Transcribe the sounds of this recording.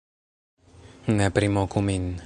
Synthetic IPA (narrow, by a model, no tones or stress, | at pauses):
nɛpɾimɔkʰumin